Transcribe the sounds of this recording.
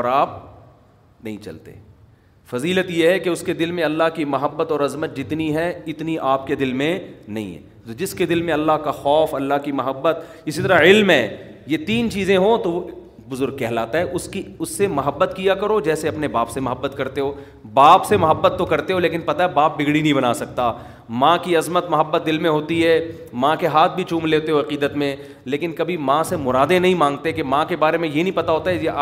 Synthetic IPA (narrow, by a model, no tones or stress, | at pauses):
ɾaːp̚ | nɐɦĩt͡ʃɐ̰lt̪ḛ | fɐziːlət̪jeɦɛkeʊsked̪ɪlmẽɐlːaɦkimɐɦəbːət̪ɔːɾɐzmət̪̚d͡ʒɪt̪niɦɛɪt̪niʔaːpked̪ɪlmẽnɐɦḭ̃ɦɛ̰ | t̪od͡ʒɪsked̪ɪlmẽɐlːaɦkaxɔːfɐlːaɦkimɐɦəbːət̪ | ɪsit̪ɐɾaɪlmɦɛːjet̪iːnt͡ʃiːzẽɦot̪oʋ | bʊzʊɾɡ̚kɛɦlaːt̪aɦɛʔʊskiʊsːemɐɦəbːət̪kijakɐɾod͡ʒɛːseɐpnebaːpsemɐɦəbːət̪kɐɾt̪eɦoː | baːpsemɐɦəbːət̪ːokɐɾt̪eɦoleːkɪnpɐt̪aɦɛbaːp̚bɪɡɽinɐɦĩbɐnaːsɐk̚t̪a | mãkiɐzmət̪mɐɦəbːət̪̚d̪ɪlmẽɦoːt̪iɦɛː | mãkeɦaːt̪̚ʰbʱit͡ʃũːmleːt̪eɦoɐqiːd̪ət̪mẽ | leːkɪnkɐbʱimãːsemʊɾaːd̪ẽnɐɦĩmãːŋɡt̪eɛkemãkebaːɾemẽjenɐɦĩpɐt̪aɦoːt̪aɦɛd͡ʒeaː